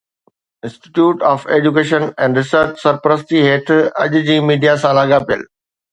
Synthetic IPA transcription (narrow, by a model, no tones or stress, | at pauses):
ɪ̃nsʈɪ̥ʈjuːʈɔːfeːd͡ʑuk̬eːʃə̃nɛ̃ːɳɖɾɪsəɾt͡ɕsɐɾpəɾəs̬t̪iɦeːʈ̪ʰɐʄd͡ʑĩːmiːɖijasãlaːɡapijə̰l